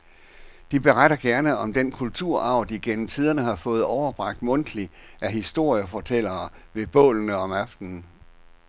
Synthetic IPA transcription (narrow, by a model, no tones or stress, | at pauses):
d̥ib̥e̝ʁaɾ̥ɐɡ̥æɐnəɒ̽md̥enkʰult͡sʰuɐ̰ʔɑ̈ʊ̰d̥iɡ̥enm̩t͡sʰiːðˠɐnəhɑ̈fɔ̽ːð̞̩ˠɒʊɐb̥ʁɑ̈ɡ̥̚d̥mɔ̽n̰d̥li | æɦisd̥o̝ɐ̰jəfɒt͡sʰel̰ɐːʋe̝b̥ɔ̰̽ːlnəɒ̽mæfd̥n̩